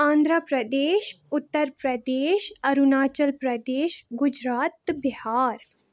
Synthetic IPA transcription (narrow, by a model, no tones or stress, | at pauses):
ãːnd̪ʱɾəpɾɐd̪eːʃʊt̪ːəɾpɾɐd̪eːʃɐɾunaːt͡ʃəlpɾɐd̪eːʃɡʊd͡ʒɾaːt̪bɪhaːɾ